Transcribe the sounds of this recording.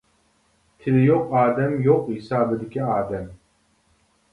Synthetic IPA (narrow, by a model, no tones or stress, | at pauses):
t̪ʲʰɪlɪjoqɑːd̪ɛmjoqhisɑːbɪd̪ɪkʲiɑːd̪ɛm